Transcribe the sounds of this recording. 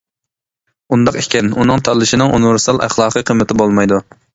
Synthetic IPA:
und̪ɑqekʲʰɛnunɨŋt̪ʰɑlˠːɪʃɪnɪŋʔunɪvɪɾsɪ̥sɑlˠʔæ̰χlˠɑːqʰɨqʰəmːɪt̪ɪbolˠmɑjd̪u

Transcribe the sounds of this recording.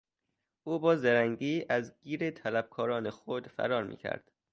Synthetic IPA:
ʔuːbɒːzeɾæŋɟiːʔæzɡiːɾet̪ʰælæb̥̚kʰɒːɾɒːnexod̪fæ̰ɾɒːɾmḭːcʰæ̰ɾd̪̥

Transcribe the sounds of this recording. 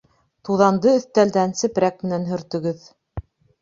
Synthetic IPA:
t̪uðɑnd̪ɤɵ̆θt̪æld̪ænsɘ̆pɾæk̚mɘ̆nænɦɵ̆ɾt̪ɵ̆ɡɵð

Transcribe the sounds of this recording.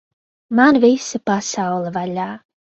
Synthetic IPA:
manvisapasawlˠəvaʎʲaː

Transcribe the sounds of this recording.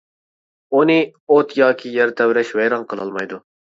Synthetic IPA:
unɨot̪ʰjɑːkʲʰijɛɾt̪ʰɛwɾɛʃvɛjɾɑnqʰəlˠɑ̰lˠmɑjd̪u

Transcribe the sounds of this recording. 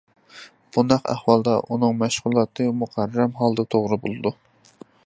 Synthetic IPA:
b̥unɑqæ̰hwɑlˠd̪ɑʔunɨŋmæʃʁʊlˠɑt̪ʰɨmuqʰæɾːɛmɦɑlˠd̪ɨt̪ʰoʁɾɨbolˠɨd̪u

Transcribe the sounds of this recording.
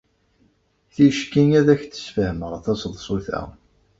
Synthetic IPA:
θiʃkinæðæçθə̥sfəhməʁθæsəðˤsˤuθæ̰

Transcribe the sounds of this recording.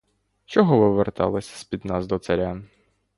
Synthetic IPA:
t͡ʃɔɦɔʋɪʋert̪ɑ̰lˠɐsʲɐ̥sʲpʲid̪nɑzd̪ɔt̪sɐɾʲan

